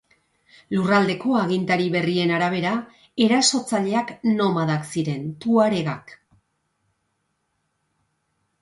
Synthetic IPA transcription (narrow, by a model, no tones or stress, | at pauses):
lurald̪e̞ko̞aɣ̞int̪aɾiβe̞rie̞naɾaβ̞e̞ɾa | e̞ɾaso̞t͡saʎe̞akno̞maðaksiɾe̞nt̪uaɾe̞ɣak